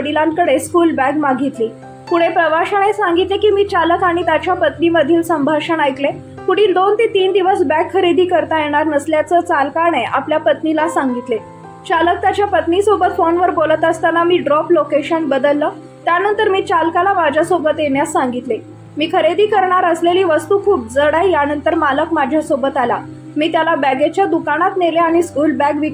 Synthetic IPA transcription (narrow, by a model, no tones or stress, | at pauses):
ɽilãnkəɽeskuːlbæɡmaɡʱit̪liː | puɽ̤̃epɾəʋaɕəɽ̃esãŋɡit̪lekiːmiːt͡ɕaləkaɽ̃it̪jat͡ɕjapət̪niməd̪ʱiːlsəmbʱaʂəɳajk̪le | kuɽ̤iːld̪ont̪et̪iːnd̪iʋəsbækʰːəɾed̪ʱiːkəɾt̪ajeɽ̃aɾnəsljat͡səːt͡salkaɽ̃eʔapljapət̪nilasaŋɡit̪le | t͡ɕalək̚t̪jat͡ɕjapət̪niːsobət̪fonʋəɾbolət̪əst̪anamiːɖɾɔplokeɕənbəd̪əlːə | t̪janənt̪əɾmiːt͡ɕalkalamad͡ʑʱjasobət̪jeɳjasːaŋɡit̪le | miːkʰəɾed̪iːkəɾɳaɾəsleliːʋəst̪uːkʰuːp̚d͡zəɽajjanənt̪əɾmaləkmad͡ʑʱjasobət̪ala | miːt̪jalabæɡet͡ɕjad̪ukaɽ̃at̪neleaɽ̃iskuːlbækʋi